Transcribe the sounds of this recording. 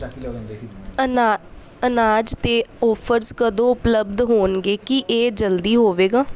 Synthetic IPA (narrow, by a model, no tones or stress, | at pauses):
ənaːd͡ʒt̪eːɔːpʰəɾzkəd̪õːʊpləb̚d̪ɦoːnɡeːkiʔeːd͡ʒəld̪iːɦoːʋeːɡaː